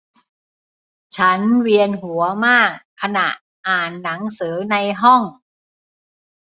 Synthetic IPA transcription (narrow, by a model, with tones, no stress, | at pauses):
t͡ɕʰa˦˥nwi˧ənɦu˩˦ɐmaː˥˩kkʰːa˧na˨˩ʔ | ʔaː˨˩nːa˩˦ŋsɯː˩˦na˧jɦɔ˥˩ŋ